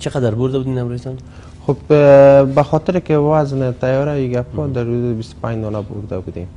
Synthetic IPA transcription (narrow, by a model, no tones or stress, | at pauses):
t͡ʃʰɪqʰɑd̪aɾboɾd̪abʊd̪ɪnamɾasan | χob | baχɒt̪ʰɪɾekʲɪvazɪnɪt̪ʰajɒɾaiɡʲapbɒd̪aɾud̪ɪbist̪ɪ̥pʰaɲnɒnabʊ̰ɾd̪abʊd̪ɪ